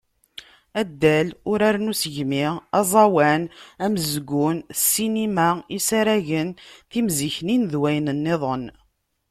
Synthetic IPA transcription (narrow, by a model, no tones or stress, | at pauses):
æd̪ːælʊɾaɾnusəʝmiɑzˤɑwænæməzɡʊnsːinimaisaɾæʝənθimziçninðwæjnənːeðˤən